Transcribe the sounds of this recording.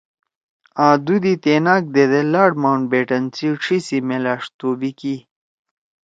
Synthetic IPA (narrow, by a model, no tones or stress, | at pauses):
aːd̪ud̪it̪eːnaːk̚d̪ed̪elaːɖmawɳʈ̚beːʈɐnt͡siʈ͡ʂʰisimelaːʂt̪oːbiki